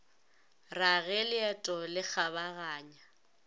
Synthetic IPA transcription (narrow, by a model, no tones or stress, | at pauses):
raɣɛlɪɛtʼɔlɪk͡xʰaβaɣaːɲa